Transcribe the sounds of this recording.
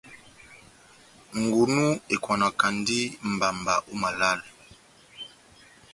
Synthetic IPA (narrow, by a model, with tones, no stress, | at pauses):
ŋ˨ɡu˨nu˦e˨kwa˨na˨ka˨ndi˦m̩˨ba˨mba˨ʔu˦ma˨la˦˨l